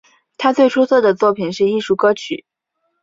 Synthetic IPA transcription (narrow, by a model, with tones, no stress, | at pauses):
t̪ʰa˥t͡swe˥˩ɪʈ͡ʂʰu˥t͡sʰɤ˥˩d̪ə˩t͡swɔ˥˩pʰi˨˩nʂɻ̩˥˧i˥˧ʂu˥˩kɤ˥t͡ɕʰy˨˩˦